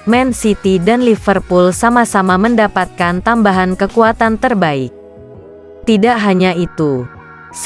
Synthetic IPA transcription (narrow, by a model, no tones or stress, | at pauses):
mɛnsit̪idanlifərpulsamasamaməndapat̪̚kant̪ambaɦankəkuat̪ant̪ərbaɪk̚ | t̪idaʔɦaɲait̪u